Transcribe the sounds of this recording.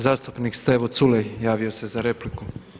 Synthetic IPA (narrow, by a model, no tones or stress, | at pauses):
zaːst̪u̥pnikst̪eʋot̪sulejjaːʋiose̞zaɾe̞pliku